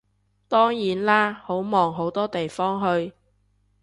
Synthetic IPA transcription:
t̪ɔː˥ŋjiː˨˥nlaː˥ho˨˥wmɔː˨ŋɦo˨˥wt̪ɔː˥t̪e˨jfɔː˥ŋɦɵ˧ɥ

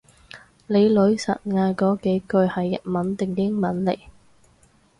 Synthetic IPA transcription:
le˨˧jlɵ˨˥ɥsɐ̰˨t̚ŋaː˧kɔː˨˥ke˨˥jkɵ˧ɥhɐ˨jːɐ̰˨t̚mɐ˨˥nt̪ɪ˨˩ŋkɪ˥ŋmɐ˨˥nlḛ˨˩j

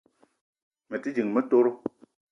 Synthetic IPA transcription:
me˨ti˦d͡ʒi˨ŋmɛ˦to˦ɾo˦

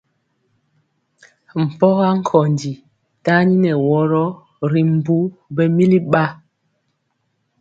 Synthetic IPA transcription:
m̩˨pɔ˦ɣa˦ŋ̩˦˨kʰɔ˨ndi˨ | ta˦ɲi˦nɛ˨wɔ˦ɾɔ˦ | ɾi˨m̩˨bu˦bɛ˦mi˦li˦ɓa˦

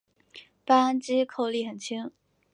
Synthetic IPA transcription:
pa˥a˥nt͡ɕi˥kʰo˥˧ʊli˥˩xə˨˩nt͡ɕʰi˥ŋ

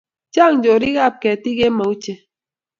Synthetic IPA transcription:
t͡ʃa˦˨ŋ˨d͡ʒo˨ɾi˦ɣa˦˨p̚kɛ˨ti˦ɡe˦ma˨u˦t͡ʃe˦

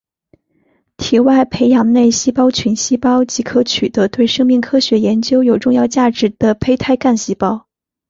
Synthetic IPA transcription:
t̪ʰi˨˩wa˥˩ɪpʰe˧˥ɪjɑ˨˧˩ŋne˥˩ɪɕi˥pɑ˥ʊt͡ɕʰy˧˥nɕi˥pɑ˥ʊt͡ɕi˧˥kʰɤ˧˥t͡ɕʰy˨˩t̪ɤ˧˥t̪we˥˩ɪʂɤ˥ŋmi˥˩ŋkʰɤ˥ɕɥɛ˧˥jɛ˧˥nt͡ɕjo˥ʊjo˨˩ʊʈ͡ʂʊ˥˧ŋjɑ˥˧ʊt͡ɕja˥˩ʈ͡ʂɻ̩˨˧˥d̪̥ə˧pʰe˥ɪt̪ʰa˥ɪka˥˩nɕi˥pɑ˥ʊ

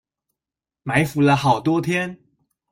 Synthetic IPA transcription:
ma˧˥ɪfu˧˥lə˧xɑ˨˩ʊt̪wɔ˥t̪ʰjɛ˥n

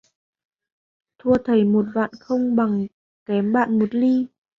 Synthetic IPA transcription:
t̪ʰu˧ət̪ʰə˨˩jmo˨˩t̚va̰ː˧˨nxə˧wŋ͡mɓa˨˩ŋ | kɛ˨˦mɓa̰ː˧˨nmo˨˩t̚li˧

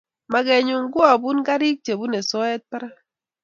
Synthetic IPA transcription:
ma˨ɡe˨ɲu˨ŋ˦ɡwa˨bu˦n˦ɡa˦ɾi˦k̚t͡ʃe˨bu˦ne˨sɔ˦ɛ˦t̚pɛ˦ɾa˦

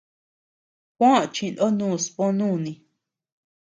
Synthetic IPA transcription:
kʷã˦˨t͡ʃĩ˧nʔo˦nũː˦˨spõ˦nũ˦˨nĩ˧

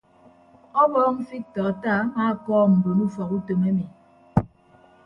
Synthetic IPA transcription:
ɔ˦bɔː˦m̩˦fi˦k̚tɔ˨a˨ta˦˨a˦maː˦˨kɔː˦m̩˨bo˨nu˦fɔ˨ku˦to˨me˦mi˨

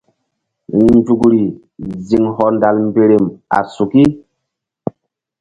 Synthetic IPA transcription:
n˦d͡ʒu˨kɾi˨ | zi˨ŋɦɔ˨nda˨lm˦be˨ɾe˨ma̰˨su˨ki˦

